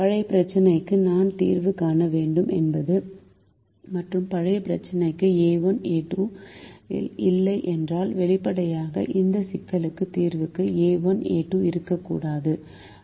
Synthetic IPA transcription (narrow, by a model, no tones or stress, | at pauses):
pɐɻɐɪpɪɾɐt͡ʃːɐnɐɪkːɯnaːnt̪ḭːrʋɯkaːnɐʋeːɳɖɯmʔɛ̰nbɐðɯ | mɐʈrɯmpɐɻɐɪpɪɾɐt͡ʃːɐnɐɪkːɯeːʋɐneːʈːu | ɪlːɐɪʔɛndraːlʋɛɭɪpːɐɽɐjaːɣɐ̰ʔɪnd̪ɐsɪkːɐlɯkːɯt̪iːɾʋɯkːɯeːʋɐnḛːʈːuɪɾɯkːɐkːṵːɽaːðɯ